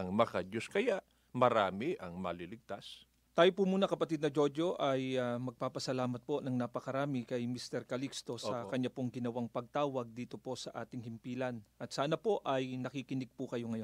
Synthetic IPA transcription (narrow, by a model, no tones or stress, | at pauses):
ɐŋmɐkɐd͡ʒoskɐjaʔ | mɐɾaːmɪʔɐŋmɐlilɪɡ̚t̪as | t̪aːjopumuːnɐkɐpɐt̪id̪nɐd͡ʒo̞d͡ʒoʔɐjamɐɡ̚paːpɐsɐlaːmɐt̪̚po̞nɐŋnapɐkɐɾaːmɪkɐjmist̪ɛɾkɐlikst̪o̞sɐkɐɲːapoŋɡɪnɐwaŋpɐɡ̚t̪aːwɐɡ̚d̪iːt̪o̞po̞sɐʔaːt̪ɪŋhɪmpiːlɐnʔɐt̪saːnɐpo̞ʔɐjnɐkikɪnɪɡ̚pukɐjo̞ŋɐjo